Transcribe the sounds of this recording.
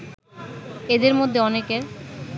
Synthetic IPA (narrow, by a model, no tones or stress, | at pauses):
ed̪eɾmod̪ʱːeɔnekeɾ